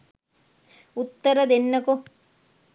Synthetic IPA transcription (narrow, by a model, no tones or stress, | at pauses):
ut̪ːɐɾɐd̪enːɐku